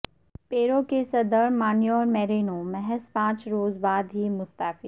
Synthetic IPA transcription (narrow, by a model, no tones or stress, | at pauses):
peːɾõkesɐd̪əɾmaːnjɔːɾmɛːɾiːnomɛɦɛspãːt͡ʃɾoːzbaːd̪ɦiːmʊst̪aːfiː